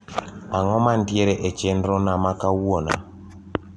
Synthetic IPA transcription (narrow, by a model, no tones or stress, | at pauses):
aŋɔman̩djeɾɛʔɛt͡ʃɛndɾɔnamakawwona̰